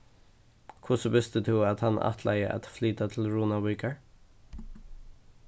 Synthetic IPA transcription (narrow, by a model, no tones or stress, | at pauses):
kʰʊsɔbɪst̪ət̪ʰʉat̪hɑnʔɑ̰t̪ʰlʔæ̰ɪəʔa̰t̪flyːt̪at̪ʰɪlɹuːnawʏːkəɹ